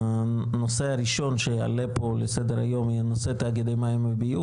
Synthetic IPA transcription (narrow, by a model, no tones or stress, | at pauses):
a | noseaɾiʃonʃea̰lepolesed̪eɾa̰jomianoset̪eaɡed̪ejmajimebiu